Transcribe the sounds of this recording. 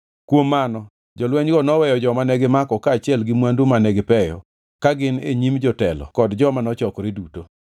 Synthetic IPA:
kwomːanɔ | d͡ʒɔlwɛɲɡɔnɔwɛjɔd͡ʒɔmanɛɡɪmakɔkaːt͡ʃɪɛlɡɪmwandumanɛɡɪpɛjɔ̰ | kaɡɪnḛɲimd͡ʒɔtɛlɔ̰kɔdd͡ʒɔmanɔt͡ʃɔkɾɪduto

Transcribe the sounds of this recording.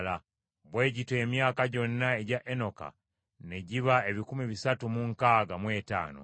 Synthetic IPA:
la | βwe̞ːɟitwe̞ːmjaːkaɟo̞nːae̞ɟaʔe̞no̞ka̰ | ne̞ɟiβae̞βikumiβisatumuŋkaːɡamwe̞ːta̰ːno̰

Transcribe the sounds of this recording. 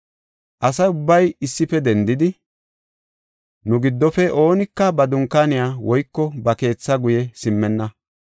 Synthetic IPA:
ʔɐsɐjʊbːɐjɪsːɪfɛd̪ɛnd̪ɪd̪ɪ | nʊɡɪd̪ːɔfɛʔo̞ːnɪkːɐbɐd̪ʊŋkanɪjaːwɔjkːɔbɐke̞ːt͡sːɐɡʊjɛsɪmːɛnːɐ

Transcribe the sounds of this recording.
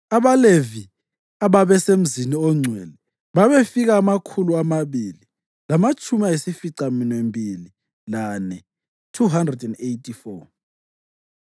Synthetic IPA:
aβalevi | aβaβɛsem̩ziniɔŋ͡ǀʱwɛlɛ | βaβefiɣaːmakʰuluamaβili | lamat͡ʃʰʼumiaesifiǀaminwembʱili | lanɛ | tʰuɦandrɛdɛndejtʰʼifɔ

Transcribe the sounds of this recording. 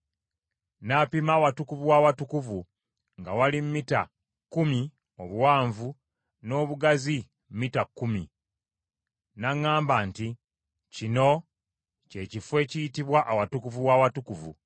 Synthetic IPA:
napimaːwatukuvuwawatukuvu | ŋɡawalimmita̰ | kumi | o̞βuwaːɱvu | no̞ːβuɡazi | m̩mitakːumi | naŋːaːmbaːnti | cino̞ | ceːcifwe̞ːcijitiβwaʔawatukuvuwawatukuvṵ

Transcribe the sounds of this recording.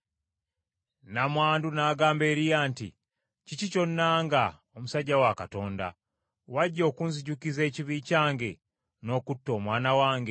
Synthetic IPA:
namwaːndunaːɡaːmbe̞ːɾijaːntḭ | cicico̞nːaːŋɡa | omusaɟːawakato̞ːnda̰ | waɟːo̞ːkunziɟukize̞ːciβiːcaːŋɡe̞ | no̞ːkutːo̞ːmwaːnawaːŋɡe̞

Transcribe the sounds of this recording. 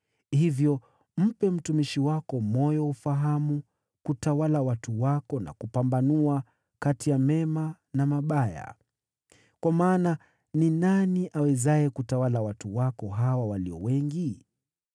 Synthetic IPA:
hivjɔ | m̩pɛm̩tumiʃiwakɔmɔjɔufaɦamu | kutawalawatuwakɔna̰kupambanua | katijamɛma | namaɓaja̰ | kwamaːna | ninaniʔawɛzaɛkutawalawatuwakɔɦawawaliɔ̰wɛŋɡi

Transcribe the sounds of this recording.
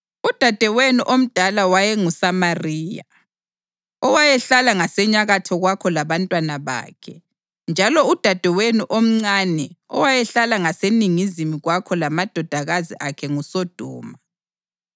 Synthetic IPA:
ud̥ʱad̥ʱɛwenuʔom̩d̥ʱalawajɛŋusamariːja̰ | ɔwajɛɬalaŋasɛɲaɣatʰɔɣwakʰɔlaβantʼwanaβa̰ːkʰɛ | nd͡ʒʱalɔud̥ʱad̥ʱɛwenuʔom̩ŋ͡ǀanɛɔwajɛɬalaŋaseniŋizimiɣwakʰɔlamad̥ʱɔd̥ʱaɣazḭʔakʰɛŋusɔd̥ʱɔːma

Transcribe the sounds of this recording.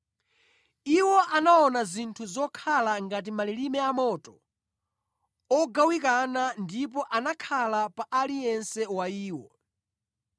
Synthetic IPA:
iwɔʔanaɔnazintʰuzɔkʰalaŋɡat̬imalilimɛamɔtɔ | ɔɡawikanandip̬ɔʔanakʰalapaʔalijɛnsɛwaiːwɔ

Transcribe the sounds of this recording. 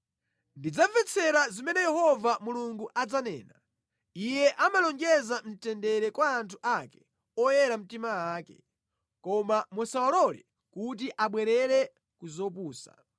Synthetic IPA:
ndid͡zavɛt͡sʰɛɾazimɛnɛjɛɦɔvamuluŋɡuʔad͡zanɛ̰ːna | ijɛʔamalɔŋɡɛzam̩tɛndɛɾɛkwaːntʰuʔakɛ̥ | ɔjɛɾam̩timawaːkɛ | kɔmamɔsawalɔlɛ̰ | kut̬iʔaɓwɛɾɛɾɛ | kuzɔp̬uːsa̰

